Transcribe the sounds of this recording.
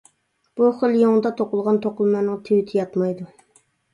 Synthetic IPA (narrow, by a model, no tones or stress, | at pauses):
b̥uχəlˠjoŋd̪ɑt̪ʰoqʊlˠʁɑnt̪ʰoqʊlˠmɑnɨŋt̪ʰewɪt̪ʰɪjɑt̪mɑjd̪u